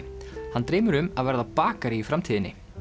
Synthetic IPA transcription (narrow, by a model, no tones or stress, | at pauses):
hant̪ɾeːjmʏɾʏmaðvɛɾðapaːkaɾiifɾamt̪ʰiːðɪnːɪ̰